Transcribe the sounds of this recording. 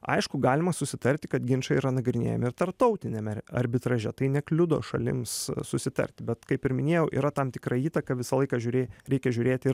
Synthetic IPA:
ɐ̰ɪʃkʊɡɑːlʲɪmɐsʊsʲɪt̪ɐɾʲt̪ʲɪkɐt̪ɡʲɪnʲt͡ʃɐiːɾɐnɐɡɾʲɪnʲḛːjɛmɪɾt̪ɐrp̚t̪ɐʊt̪ʲɪnʲɛmɛɐ̰ɾʲbʲɪt̪ɾɐʒʲɛt̪ɐɪnʲɛklʲʊd̪o̰ːʃɐ̰lʲɪ̰mssʊsʲɪt̪ɐ̰ɾʲt̪ʲɪbʲɛt̪kɐɪpɪɾmʲɪnʲeɛjɛʊʔḭːɾɐt̪ɐmt̪ʲɪkɾɐiːt̪ɐkɐʋʲɪsɐlˠɐɪkɑʒʲʊːɾʲeːɾʲɛɪkʲɛʒʲʊːɾʲeːt̪ʲɪɾ

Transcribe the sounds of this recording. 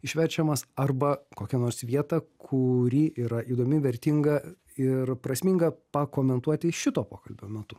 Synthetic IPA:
ɪʃʲʋʲɛɾʲt͡ʃʲɛmɐsɐrbɐkoːkʲɛnoːɾsʋʲiɛt̪ɐkʰʊɾʲiːʔiːɾɐʔiːd̪oːmʲɪʋʲɛɾʲt̪ʲɪŋɡɐ | ɪɾpɾɐsʲmʲɪŋɡɐpɐkoːmʲɛnt̪uɔt̪ʲɪʃʲɪt̪oːpoːkɐlʲbʲoːmʲɛt̪ʊ

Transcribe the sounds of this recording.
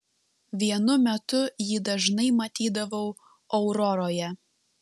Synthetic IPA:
ʋʲiɛnʊmʲɛt̪ʊjid̪ɐʒnɐɪmɐt̪ʲiːd̪ɐʋɐʊ | ɔʊɾɔɾoːjɛ

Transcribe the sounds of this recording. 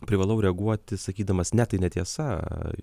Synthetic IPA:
pʲɾʲɪʋɐlˠɐʊɾʲɛɐɡuɔt̪ʲɪsɐkʲiːd̪ɐmɐsnʲɛt̪ɐɪnʲɛt̪ʲiɛsɐ

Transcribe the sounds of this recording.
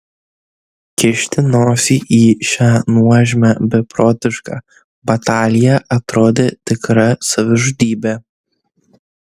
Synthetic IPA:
kʲɪʃʲt̪ʲɪnoːsʲiʔiːʃʲanuɐʒʲmʲɛbʲɛpɾoːt̪ʲɪʃkɐ̰ | bɐt̪aːlʲɪjɛʔɐt̪ɾoːd̪ʲet̪ʲɪkɾɐsɐʋʲɪʒʊd̪ʲiːbʲɛ

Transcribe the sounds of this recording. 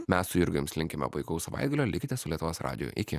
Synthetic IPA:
mʲɛsːʊɪɾɡɐɪmsʲlʲɪŋʲkʲɛmʲɛ̰pɐɪkɐʊsɐʋɑ̰ɪd̪̚ɡɐlʲoːlʲɪkʲɪt̪ʲɛssʊlʲiɛt̪ʊʋoːsɾɑ̰ːd̪ʲɪjṵʔɪkʲɪ

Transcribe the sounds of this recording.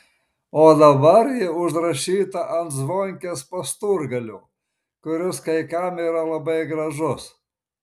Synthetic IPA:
oːd̪ɐbɐɾjɪʊʒɾɐʃʲiːt̪ɐʔɐnt̪zʋoːŋʲkʲeːspɐst̪uɾɡɐlʲʊ | kʊɾʲʊskɐɪkɐmiːɾɐlˠɐbɐɪɡɾɐʒʊs

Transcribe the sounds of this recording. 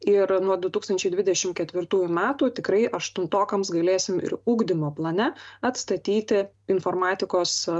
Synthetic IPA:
ɪɾnuɔd̪ʊt̪uːkst̪ɐnʲt͡ʃʲɛɪd̪ʋʲɪd̪ʲɛʃʲɪmkʲɛt̪ʲʋʲɪɾt̪uːjʊmʲæːt̪uːt̪ʲɪkɾɐɪʔɐʃt̪ʊnt̪oːkɐmsɡɐlʲeːsʲɪmɪ̰ɾuːɡd̪ʲɪmoːplˠɐnʲɛɐt̪st̪ɐt̪ʲiːt̪ʲɪ | ɪnfoːɾmɑːt̪ʲɪkoːs

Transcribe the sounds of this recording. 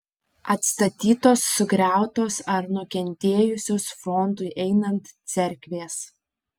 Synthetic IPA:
ɐt̪st̪ɐt̪ʲiːt̪oːsːʊɡɾʲæˑʊt̪oːsɐɾnʊkʲɛnʲt̪ʲeːjʊsʲoːsfɔnd̪ʊɪʔɛɪnɐnt̪sʲɛɾʲkʲʋʲeːs

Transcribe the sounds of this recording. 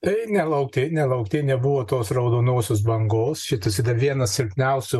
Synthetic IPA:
ɪnʲɛlˠɐʊk̚t̪ʲeːnʲɛlˠɐʊkt̪ʲeːnʲɛbʊʋoːt̪oːsrɐʊd̪oːnoːsʲoːs̬bɐŋɡoːsʃʲɪt̪ʊsʲid̪ɐʋʲiɛnɐssʲɪɾʲpʲnʲɛʊsʲʊ

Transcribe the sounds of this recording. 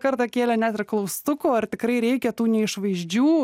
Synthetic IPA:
kɐɾt̪ɐkʲeːlʲɛnʲæt̪ɪɾklˠɐʊst̪ʊkoːɐrt̪ʲɪkɾɐɪɾʲɛɪkʲɛt̪uːnʲɛɪʃʋɐɪʒʲd͡ʒʲuː

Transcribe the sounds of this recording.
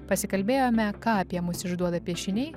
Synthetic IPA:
pɐsʲɪkɐlʲbʲeːjoːmʲɛkɑːɐpʲiɛmʊsɪʒd̪uɔd̪ɐpʲiɛʃʲɪnʲɛɪ

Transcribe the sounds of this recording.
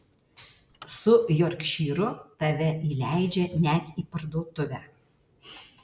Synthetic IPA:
sʊjɔɾʲkʲʃʲiːɾʊt̪ɐʋʲɛʔiːlʲæˑɪd͡ʒʲɛnʲæt̪ʲiːpɐɾd̪uɔt̪ʊʋʲæ

